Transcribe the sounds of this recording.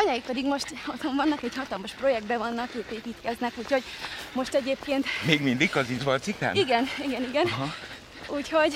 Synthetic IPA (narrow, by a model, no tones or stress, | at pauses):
ɒɲɒjik̚pɛd̪iɡmo̞ʃt̪ɒzoɱvɒnːɒkɛɟhɒt̪ɒlmɒʃpro̞jɛɡ̚d̪bɛvɒnːɒkeːpeːpiːt̪kɛznɛkuːcho̞ɟmo̞ʃt̪ɛɟeːpkeːnt̪meːɡmind̪ikkɒzinzvɒlt̪sikt̪a̰ːniɡɛniɡɛniɡɛnɦ | uːcho̞ɟ